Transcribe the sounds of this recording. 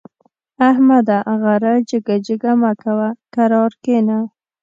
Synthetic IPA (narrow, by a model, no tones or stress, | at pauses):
ahmad̪aʔɣaɾad͡ʒəɡad͡ʒɪɡamakawakaɾɑɾkena